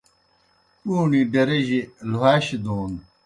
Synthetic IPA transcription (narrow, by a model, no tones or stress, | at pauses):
uːɳiɖɐɾeʑeluɦaːɕid̪oːn